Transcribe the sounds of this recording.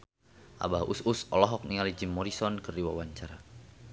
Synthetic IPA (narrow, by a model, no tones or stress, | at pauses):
ʔa̰bahususɔlɔɦɔk̚niŋalid͡ʒimːɔɾisɔnkərdiwawaɲt͡ʃaɾa